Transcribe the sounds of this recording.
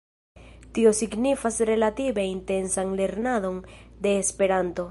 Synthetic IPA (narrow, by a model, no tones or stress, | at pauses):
t̪io̞siɡnifasɾe̞lat̪ibe̞int̪e̞nsanle̞ɾnaðo̞nd̪e̞ːspe̞ɾant̪o̞